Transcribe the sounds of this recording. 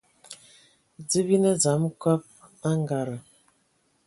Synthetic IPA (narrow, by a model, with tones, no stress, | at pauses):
d͡zə˦bi˦nə˦za˨˦mkɔ˦p̚a˦ŋɡa˨ɾə˨